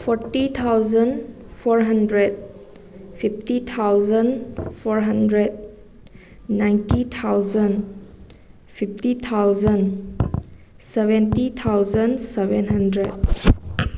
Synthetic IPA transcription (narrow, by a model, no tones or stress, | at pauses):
pʰɔɾtit̪ʰawzən | pʰɔɾɦɐndɾed̚ | pʰip̚ʰtit̪ʰawzənpʰɔɾɦɐndɾed̚ | najntit̪ʰawzən | pʰip̚ʰtit̪ʰawzən | sebentit̪ʰawzənsebenɦɐndɾed̚